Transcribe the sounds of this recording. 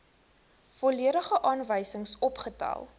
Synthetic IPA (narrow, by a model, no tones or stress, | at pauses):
fɔliəɾəχəʔɑːnvəjsəŋsɔpχətɑ̰lˠ